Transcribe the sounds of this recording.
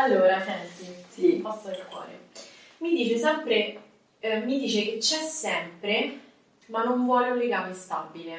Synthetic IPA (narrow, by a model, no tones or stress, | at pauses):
alːoːɾaʃɛnt̪isipɔst̪ad̪elkwɔ̰ːɾḛ | mid̪iːt͡ʃesɛmpɾe | mid̪iːt͡ʃeket͡ʃːɛsːɛmpɾe | manːoɱvwɔːleunleɡaːmest̪abːile